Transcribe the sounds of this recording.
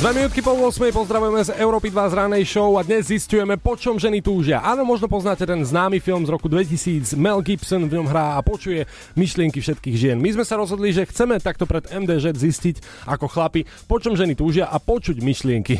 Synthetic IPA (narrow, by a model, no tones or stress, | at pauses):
d̪ʋɛminuːt̪kipɔlˠʊɔsmɛjpɔzd̪ɾaʋujɛmɛzɛʊɾɔːpid̪ʋazɾanɛjʃɔʊad̪ɲɛzːiscujɛmɛpɔt͡ʃɔmʒɛnit̪uːʒɪaʔalɛmɔʒnɔpɔznacɛt̪ɛnznaːmifilmzɾɔkud̪ʋɛcisiːd͡zmɛlɡipsɔnvɲɔmɦɾaːapɔt͡ʃujɛ | miʃlɪɛŋkifʃɛt̪kiːɣʒɪɛnmizmɛsaɾɔzɦɔd̪liʒɛxt͡sɛmɛt̪ak̚t̪ɔpɾɛd̪ɛmd̪ɛːzɛd̪ziscic | akɔxlapi | pɔt͡ʃɔmʒɛnit̪uːʒɪaʔapɔt͡ʃuɟmiʃlɪɛŋki